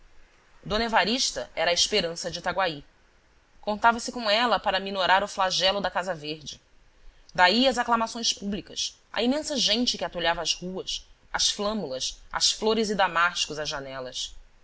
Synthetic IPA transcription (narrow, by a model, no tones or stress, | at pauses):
d̪onevaɾiʃt̪ɐɛɾɐaiʃpeɾɐ̃sɐd͡ʒɪt̪aɡwai | kõnt̪avɐsɪkõw̃ɛlɐpaɾɐminoɾaɾʊflaʒɛlʊd̪ɐkazɐveɾd͡ʒɪ | d̪aiɐzaklɐmasõj̃spublikɐs | ɐ̰imẽsɐʒẽt͡ʃɪkʲɪat̪oʎavɐːzhuɐs | ɐsflɐ̃mulɐsɐ̰sfloɾɪzɪd̪amaʃt͡ʃi̥kʊzɐzʒanɛlɐs